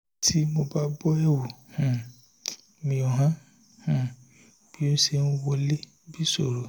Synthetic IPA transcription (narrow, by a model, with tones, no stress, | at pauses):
tʰi˦mo˧ba˦bɔ˦ɛ˦˨wu˨hũ˨ | mĩ˧ɔ˨ɦã˦ | h̩˨ | b̥i˨˦nũ˦ʃe˧nũ˦wo˧le˦ | bi˦so˦˨ɾo˨